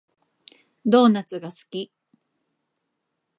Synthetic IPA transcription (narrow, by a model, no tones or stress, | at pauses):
d̪o̞ːnat͡sɨɡasɨ̥kʲi